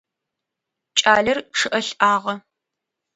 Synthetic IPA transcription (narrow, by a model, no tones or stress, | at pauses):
t͡ʃʼaːɮɐrʂɨʔɐɬʔaːʁɐ